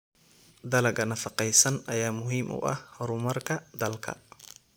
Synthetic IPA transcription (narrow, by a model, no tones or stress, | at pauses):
d̪ɐlɐɡɐnɐfɑqɛjsɐnɐjaːmʊɦiːmʔʊ̰ʔɐ̰hɾʊmɐrkʰɐd̪ɐlkʰɐ̰